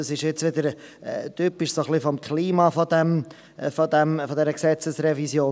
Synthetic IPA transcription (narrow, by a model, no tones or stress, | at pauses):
ɑsɪʃɪt͡sʋɪd̪əɾt̪yːpɪʃsoχlifɔmkʰliːmɑfɔd̪ɛm | fod̪ɛmfɔd̪ɛɾəksɛt͡səsɾɛvisjoː